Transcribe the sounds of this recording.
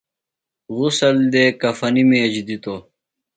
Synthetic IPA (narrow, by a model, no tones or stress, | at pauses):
ɣusɐld̪eːkɐfɐnimed͡ʑd̪it̪o